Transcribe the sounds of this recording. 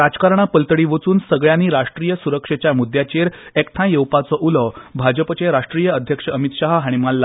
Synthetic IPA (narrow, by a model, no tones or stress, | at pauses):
ɾad͡zkaɾɳ̃apəlt̪əɽiːʋət͡suːnsəɡɭjaniːɾaʂʈɾijəsuɾəkʂet͡ɕjamud̪jat͡ɕeɾekʈ̪ʰãjewpat͡sɔʔuləbʱad͡ʑəpət͡ɕeɾaʂʈɾijəəd̪ʱjəkʂəəmit̪ɕaɦɦaɽ̃imalːa